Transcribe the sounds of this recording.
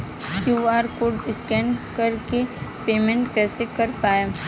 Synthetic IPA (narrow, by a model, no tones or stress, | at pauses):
kjuːaːɾkoːɖɪskɛ̃ːnkɐɾkepeːmẽɳʈkɛːsekɐɾpaːje